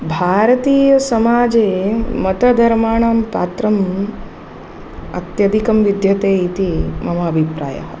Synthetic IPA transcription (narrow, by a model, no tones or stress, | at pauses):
bʱaːɾɐt̪iːjɐsɐmaːd͡ʒeːmɐt̪ɐd̪ʱɐɾmaːɳaːmpa̰ːt̪ɾɐm | ɐ̰t̪jɐd̪ʱikɐmʋid̪jɐt̪eːit̪imɐmaːbʱipɾa̰ːjɐ̰ɦɐ